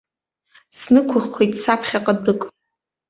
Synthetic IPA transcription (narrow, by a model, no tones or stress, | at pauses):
snɨkʷʰʊχːʷejtʼsapʰχʲaqʼadɨkʼ